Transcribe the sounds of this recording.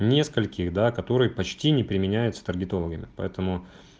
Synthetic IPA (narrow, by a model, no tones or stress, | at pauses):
nʲe̞skəlʲkʲɪxd̪akɐt̪o̞ɾɨjəpɐt͡ɕtʲinʲɪpɾʲɪmʲɪnʲæjʊt̪sə̥t̪ərɡʲɪt̪o̞lˠəɡəmʲɪpɐ̰ɛt̪əmʊ